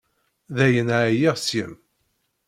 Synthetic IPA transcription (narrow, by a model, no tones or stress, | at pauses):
ðæjənʕæjiʁsjə̰m